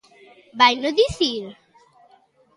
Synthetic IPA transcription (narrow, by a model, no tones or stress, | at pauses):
bajnoðiθiɾ